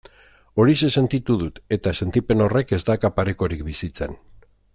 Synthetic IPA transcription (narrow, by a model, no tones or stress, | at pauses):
o̞ɾise̞se̞nt̪it̪uðut̪e̞t̪ase̞nt̪ipe̞no̞re̞ke̞zd̪akapaɾeko̞ɾikbisit͡se̞n